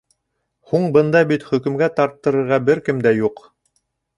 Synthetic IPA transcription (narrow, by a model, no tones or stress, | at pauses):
huɴbɤ̆nd̪ɑbit̪χɵ̆kɵ̆mɡæt̪ɑɾt̪ːɤ̆ɾɤ̆ɾʁɑbɘɾkɘmd̪æjuq